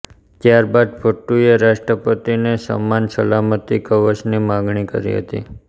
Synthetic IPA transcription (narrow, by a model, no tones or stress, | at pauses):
t̪jaɾbad̪fʰəʈːueɾaʃʈɾəpət̪inesə̰mːansəlamət̪ikəʋəʃnimãɡɳ̃ikə̰ɾḭɦə̰t̪ḭ